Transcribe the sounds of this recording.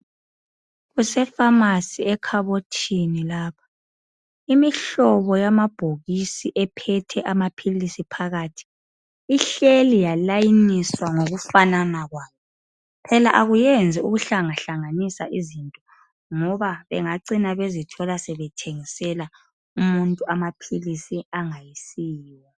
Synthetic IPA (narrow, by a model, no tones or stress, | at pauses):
ɣusɛfamasiɛkʰaβotʰinilaːpʰḁ | imiɬɔβɔjamab̥ʱoɣisiʔɛpʰɛtʰɛʔamapʰilisipʰaɣaːtʰi̥ | iɬelijalajiniswaŋoɣufananaɣwaːjɔ | pʰɛlaʔaɣujɛnd͡zʱiuɣuɬaŋaɬaŋanisaʔizintʼɔ | ŋɔβaβɛŋaǀinaβezitʰɔlasɛβɛtʰeŋisɛla | umuntʼuamapʰilisiaŋajisiːwa